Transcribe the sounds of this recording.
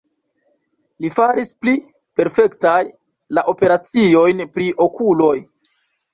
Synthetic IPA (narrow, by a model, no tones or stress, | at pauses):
lifaɾispli | pe̞ɾfe̞ktaj | laʔo̞pe̞ɾat͡sio̞jnpɾiʔo̞kʰulo̞j